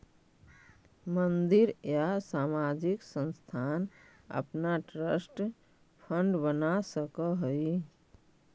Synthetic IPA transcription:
mənd̪ɪɾjasaːmad͡ʒɪksə̃nst̪ʰaːn | ə̰pnaʈɾəsʈ | pʰə̃ɳɖbənasəkəɦəi

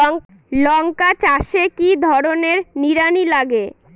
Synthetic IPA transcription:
lɔŋkat͡ɕaʃekid̪ʱɔɾoneɾniɾanilaɡe

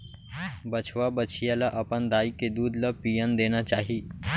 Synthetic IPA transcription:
bət͡ʃʰʋabət͡ʃʰijalaʔɐpənd̪aːiked̪uːd̪lapijənd̪eːnat͡ʃaːɦi

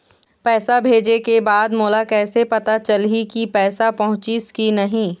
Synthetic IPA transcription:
pɛːsabʱeːd͡ʒekebaːd̪moːlakɛːsepɐt̪at͡ʃɐlɦikipɛːsapɐɦʊ̃t͡ʃiskinɐɦĩː

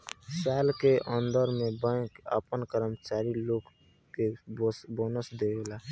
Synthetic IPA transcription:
saːlkeʔə̃nd̪əɾmẽbə̃kə̰pənkəɾəmt͡ʃaːɾiloːɡ | keboːnəsd̪ela

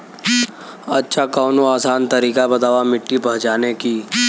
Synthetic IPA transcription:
ɐtːʃʰakaːnoaːsaːnt̪ɐɾiːkabɐt̪aːʋamɪʈːipɐɦt͡ʃaːnekiː

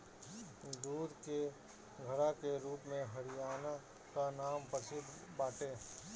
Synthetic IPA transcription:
d̪uːɾke | ɡʱəɾakeɾuːpmẽɦɐɽɪjaːna | kanaːmpəsɪd̪ʱbaːʈẽː

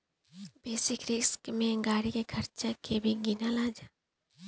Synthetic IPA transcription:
beːsɪkɾɪskmẽɡaːɽikekʰəɾt͡ʃakʰebʱiɡɪnalaːd͡ʒaː

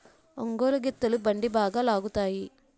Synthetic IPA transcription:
oŋɡoːlɐɡit̪ːɐlubɐɳɖibaːɡaːlaːɡut̪aːji

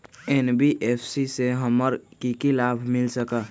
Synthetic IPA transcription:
enbiʔepʰsiseɦəməɾkikilabʱmilsəkə

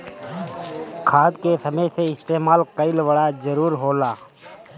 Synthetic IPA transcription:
kʰaːd̪kesəməjseɪst̪eːmaːlkəɪlʋəɽad͡ʒəɾuːɾɦoːlaː

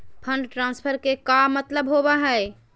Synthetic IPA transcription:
pʰəɳɖʈɾãnspʰəɾkekamət̪ləbɦobaɦɛɪ

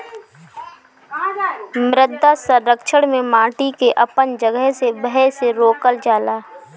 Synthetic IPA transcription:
mɾɪd̪ʱːasəɾːəkʃəɽmẽmãːʈikeʔɐpənd͡ʒəɡəɦsebəɦɛseɾoːkəld͡ʒaːlaː

